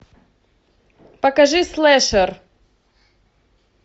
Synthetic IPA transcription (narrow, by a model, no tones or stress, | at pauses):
pɐkɐʐɨslˠɛʂər